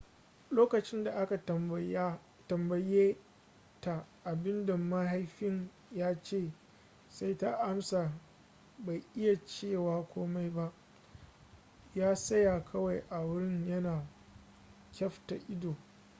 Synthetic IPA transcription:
loː˦kɐ˨t͡ʃɪ˦nda˨ʔa˦ka˨˦ | tɐ˨mbɐ˨jeː˦ | ta˨ʔa˨bɪ˦nda˨mɐ˦ɦa˦jɸɪ˦ɲ | jaː˦t͡ʃeː˦˨ | sa˦jta˦ʔa˦msa˨ | ba˨jʔɪ˦ja˨t͡ʃeː˦˨waː˦kʷʰoː˦ma˦jba˦ʔ | jaː˦sɐ˦ja˨kʰɐ˦wa˨jʔa˨wʊ˦ɽɪ˦ɲjɐ˦naː˨ | kʲɐ˦ɸta˨ʔɪ˦doː˨

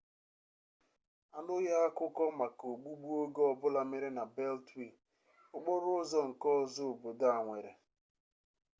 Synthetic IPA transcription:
a˨nʊ˦ja˦a˦kʊ˦kɔ˦ma˨ko˨ɡ͡bu˦ɡ͡bu˦o˦ɡo˦ɔ˨bʊ˦la˦mɪ˦ɾɪ˦na˨be˦ltwi˨ | ʊ˦ɡ͡bɔ˦ɾʊ˦zɔ˦ŋ̩˨kɔ˦zʊ˦˨bo˨da˦a˨ŋʷe˨ɾe˨

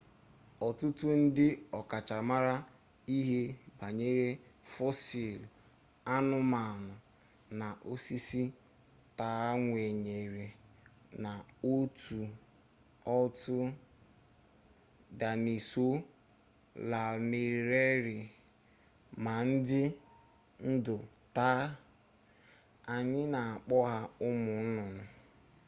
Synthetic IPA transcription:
ɔ˨tʊ˦tʊ˦n̩˦dɪ˦ɔ˨ka˨t͡ʃa˨ma˦ɾa˦ | i˦ɦe˦ba˨ɲe˦ɾe˦fɔ˦si˨l | a˦nʊ˦ma˨nʊ˨ | na˨ʔo˦si˦si˦ | ta˨˦a˦ŋʷe˨ɲe˨ɾe˨ | na˨o˦tu˨ | ɔ˦tʊ˦ | da˨ni˨so˦ | la˨me˨ɾɾe˦ɾɪ˨ | ma˨n̩˦dɪ˦ | n̩˦dʊ˨ | taː˦ | a˨ɲɪ˦na˨a˨k͡pɔ˦ɦa˦ʊ˦mʊ˨n̩˦nʊ˨nʊ˨

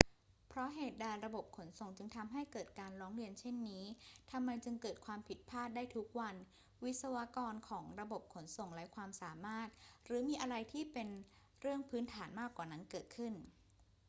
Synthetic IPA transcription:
pʰɾɔ˦˥ɦeː˨˩t̪̚daː˧jɾa˧bo˨˩p̚kʰo˩˦nso˨˩ŋt͡ɕɯ˧ŋt̪ʰa˧mɦa˥˩jkɤː˨˩t̪̚kaː˧nɾɔː˦˥ŋɾi˧ənt͡ɕʰe˥˩nːiː˦˥t̪ʰa˧mːa˧jt͡ɕɯ˧ŋkɤː˨˩t̪̚kʰwaː˧mpʰi˨˩t̪̚pʰaː˥˩t̪̚daː˥˩jt̪ʰu˦˥k̚wa˧n | wi˦˥t̪̚sa˧wa˦˥kɔː˧nkʰɔː˩˦ŋɾa˧bo˨˩p̚kʰo˩˦nso˨˩ŋlɛ˦˥kʰwaː˧msaː˨˩˦maː˥˩t̪̚ɾɯː˩˦miː˧ʔa˧ɾa˧jt̪ʰiː˥˩pe˧n | ɾɯ˥˩əŋpʰɯː˦˥nt̪ʰaː˩˦nmaː˥˩kwaː˨˩na˦˥nkɤː˨˩t̪̚kʰɯ˥˩n

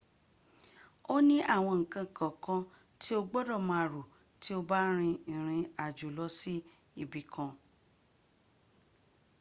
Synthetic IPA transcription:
o˦nĩ˦ʔa˦˨w̃ɔ̃˧ŋ̩˨kã˧ŋ̩˨kã˨kɔ̃˧ | ti˦o˧ɡ͡bɔ˦dɔ˦˨mã˧a˨ɾo˨ | ti˦o˧ba˦ɾ̃ĩ˧ĩ˨ɾ̃ĩ˧a˨d͡ʒo˨lɔ˨˦si˦ | i˦˨bi˨˦kʰã˧

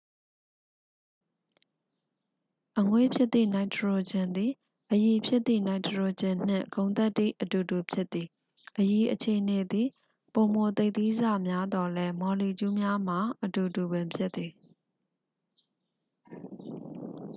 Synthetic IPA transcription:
ʔəŋwḛ˦˨pʰjɪ˦t̪t̪ːḭ˦˨na˨ɪtʰɹo˨d͡ʑɪ̃˨nd̪i˨ | ʔəji˨pʰjɪ˦t̪ːḭ˦˨na˨ɪtʰəɹo˨d͡ʑɪ̃˨n̥ɪ̰̃˦˨kõ˨ʊ̃nt̪ɛ˦t̪ːḭ˦˨ʔətu˨tu˨pʰjɪ˦t̪̚ːi˨ | ʔəji˨ʔət͡ɕʰe˨ʔəne˨d̪i˨ | põ˨m̥o˨t̪e˦ɪʔt̪i˦za̰˦˨mja˦d̪ɔ˨lɛ˦mɔ˨li˨t͡ɕu˦mja˦m̥a˨ʔətu˨tu˨bɪ̃˨mpʰjɪ˦t̪t̪ːi˨

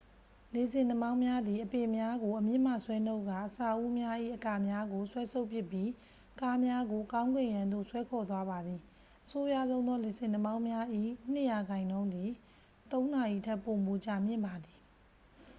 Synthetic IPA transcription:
le˨sɪ̃˨ndə˨mã˦ʊ̃mja˦d̪i˨ʔəpe˨mja˦ɡo˨ʔəmjɪ̰̃˦˨m̥a̰˦˨swɛ˦no˦˨ka̰˦˨ʔəsa˨ʔu˦mja˦ʔḭ˦˨ʔəka˨mja˦ɡo˨swɛ˦sʰo˦ʊʔpjɪ˦˨pːji˦ | ka˦mja˦ɡo˨kã˦ʊ̃ŋɡwɪ̃˦˨jã˨nd̪o̰˦˨swɛ˦kʰɔ˨t̪wa˦ba˨d̪ði˨ | ʔəso˦ja̰˦˨zõ˦ʊ̃nðɔ˦le˨zɪ̃˨nə˨mã˦ʊ̃mja˦ʔḭ˦˨n̥ɪ˦ʔja˨ɡã˨ɪ̃nõ˦ʊ̃nd̪i˨ | t̪õ˦ʊ̃na˨ʔḭ˦˨tʰɛ˦˨po˨mo˨t͡ɕa˨mjɪ̰̃˦˨mba˨d̪i˨

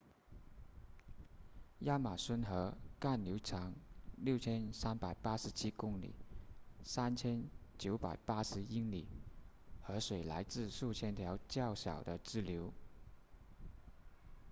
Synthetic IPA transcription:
ja˥ma˨˩swə˥nxɤ˧˥ka˥˩nljo˧˥ʊʈ͡ʂʰɑ˧˥ŋljo˥˩ʊt͡ɕʰjɛ˥nsa˥npa˨˩ɪpa˥ʂɻ̩˧˥t͡ɕʰi˥kʊ˥ŋlḭ˨˩˦sa˥nt͡ɕʰjɛ˥nt͡ɕjo˧˥ʊpa̰˨˩ɪpa˥ʂɻ̩˧˥i˥ŋli˨˩˦ | xɤ˧˥ʂwe˨˩ɪla˧˥ɪt͡sɹ̩˥˧ʂu˥˩t͡ɕʰjɛ˥nt̪ʰjɑ˧˥ʊt͡ɕjɑ˥˩ʊɕjɑ̰˨˩ʊd̪ə˦ʈ͡ʂɻ̩˥ljo˧˥ʊ

